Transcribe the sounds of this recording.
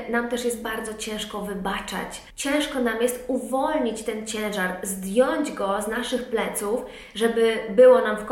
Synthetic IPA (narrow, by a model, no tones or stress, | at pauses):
namt̪ɛʂjɛst̪̚baɾd̪zɔt͡ɕɛ̃w̃ʂkɔvɘbat͡ʂa̰t͡ɕ | t͡ɕɛ̃w̃ʂkɔnamjɛst̪uvɔlɲit͡ɕt̪ɛnt͡ɕɛ̃w̃ʐaɾzd̪jɔɲd͡ʑɡɔznaʂɘxplɛt̪suf | ʐɛbɘbɘwɔnamfk